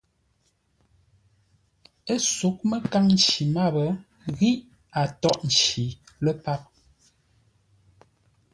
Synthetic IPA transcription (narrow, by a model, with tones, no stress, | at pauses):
e˦su˨˦k̚mə˦ka˦ŋn̩˨t͡ʃi˨ma˦˨bə˨˦ | ɣi˦ʔ | a˨tɔ˦ʔn̩˨t͡ʃi˨ | lə˦pa˦˨p̚